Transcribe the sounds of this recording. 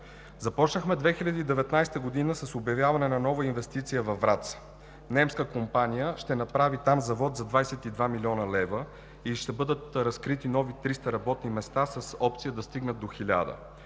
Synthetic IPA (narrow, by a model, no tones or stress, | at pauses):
zɐpɔt͡ʃnəxmɛd̪vɛxilʲɐd̪iːd̪ɛvɛt̪najst̪əɡod̪inəsɐsobjɐvjavɐnɛnɐnɔvəinvɛst̪it̪sijəvɐvːɾat̪s | nɛmskəkompanijəʃt̪ɛnɐpɾavit̪amzɐvɔt̪zɐd̪vajsɛt̪id̪vamilʲɔnəlɛvə | iʃt̪ɛbɤd̪ət̪ɾɐskɾit̪inɔvit̪ɾist̪əɾɐbɔt̪nimɛst̪asəsɔp̚t̪sijəd̪ɐst̪iɡnəd̪̚ːoxilʲa̰d̪ə̰